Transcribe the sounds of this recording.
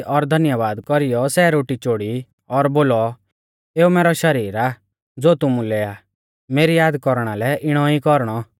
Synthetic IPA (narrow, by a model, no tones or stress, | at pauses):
ʔɔɾd̪ʱɐnjəʋaːd̪kɔɾijɔsɛɾoːʈit͡ʃoːɽi | ɔɾboːlɔ | eːumeːɾɔʃɐɾiːɾa | d͡zoːt̪ʊmũleːa | meːɾijaːd̪kɔɾɽ̃alɛʔɪɽ̃ɔikɔɾɽ̃ɔ